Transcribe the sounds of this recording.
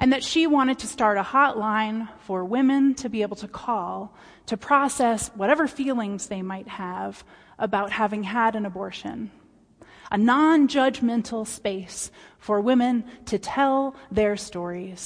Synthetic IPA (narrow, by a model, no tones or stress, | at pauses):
ʔɨ̃nðɨtʃiwɑ̃ɾ̃ɨd̚tʰɨstɑɹɾəhɑʔˡlãɪ̃nfə˞wɪ̃mɨ̃ntʰɨbieɪbl̩ˠtʰɨkʰɔlˠ | tʰɨpʰɹ̥ɑsɛswʌɾɛvə˞filˠɪ̃ŋzðeɪmaɪt̚həv | ʔəbaʊt̚hævɪ̃ŋəɾɨ̃nɨbɔɹʃɨ̰̃n | ʔənɑ̃nd͡ʒʌd͡ʒmɛ̃ntʰl̩ˠspeɪsfə˞wɪ̃mɨ̃ntʰɨtʰɛlˠðə˞stɔɹiz̥